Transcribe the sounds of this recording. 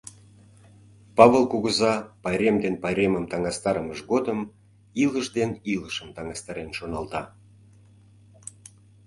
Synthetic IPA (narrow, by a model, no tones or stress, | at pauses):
pɑβəlˠkuɣəzɑpɑjɾʲemd̪enpɑjɾʲeməmt̪ɑŋɑst̪ɑɾəməʒɣod̪əm | iləʃd̪eniləʃəmt̪ɑŋɑst̪ɑɾenʃonɑlt̪ɑ